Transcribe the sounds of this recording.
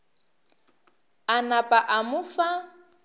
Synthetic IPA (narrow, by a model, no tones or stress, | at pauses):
anapʼaʔamʊfa